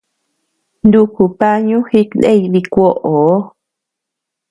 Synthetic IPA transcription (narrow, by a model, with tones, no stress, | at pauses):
nd̪u˧ku˨pa˦ɲũ˦xi˧˦knḛ˦i˧ði˧kʷo˦ʔo˨˦